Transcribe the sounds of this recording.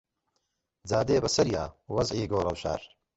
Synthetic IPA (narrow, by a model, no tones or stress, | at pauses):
d͡zaːd̪eːbɐsɐɾija̰ːwɐzʕiːɡoːɾɐwʃa̰ːɾ